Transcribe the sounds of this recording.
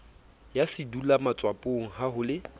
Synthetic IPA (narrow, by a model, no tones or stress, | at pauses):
jasɪdulamat͡sʼwapʼoŋ̩ɦahʊlɪ